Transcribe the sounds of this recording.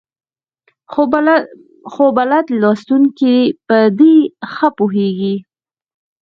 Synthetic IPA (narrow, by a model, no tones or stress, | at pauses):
xobalad̪lɑst̪uŋkipəd̪exəpuɦeɡi